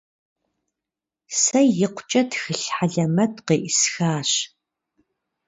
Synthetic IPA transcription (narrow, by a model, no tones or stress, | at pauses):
sɐjjɪqʷʊt͡ʃʼɐtxɨɬħaɮɐmɐtʰqeːʔɪsxaːɕ